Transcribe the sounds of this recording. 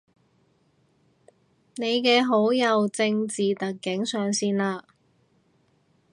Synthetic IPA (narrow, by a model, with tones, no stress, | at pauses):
ne˨˧jkɛː˧ɦo˨˥wjɐ˨˧wt͡sɪ˧ŋt͡siː˨t̪ɐ˨k̚ːɪ˨˥ŋsœː˨ŋsiː˥nlaː˧